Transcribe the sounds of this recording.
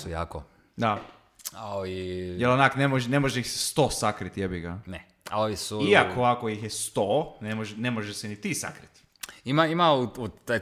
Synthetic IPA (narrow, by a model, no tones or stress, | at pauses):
suja̰ːko | d̪a | aoʋijelonaknemoʒenemoʒeixse̥st̪osakɾit̪jebiɡanɛ | a̰oʋisuiakʰoakoixjest̪onemoʒenemoʒeʃsenit̪isa̰kɾit̪ | imaimauut̪ːa